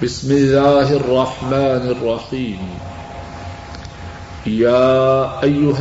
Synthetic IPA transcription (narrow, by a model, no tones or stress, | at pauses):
bɪsmɪlːaːɦɑrˤːɑħmaːnɑrˤːɑħiːm | jaːʔajːʊɦ